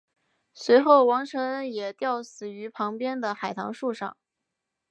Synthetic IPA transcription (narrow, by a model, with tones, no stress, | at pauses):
swe˧˥ɪxo˥˩ʊwɑ˧˥ŋʈ͡ʂʰɤ˧˥ŋjɛ˨˩t̪jɑ˥˩ʊsɹ̩˨˩y˧˥pʰɑ˧˥ŋpjɛ˥nd̪ə˨xa˨˩ɪt̪ʰɑ̰˧˥ŋʂu˥˧ʂɑ̰˥˩ŋ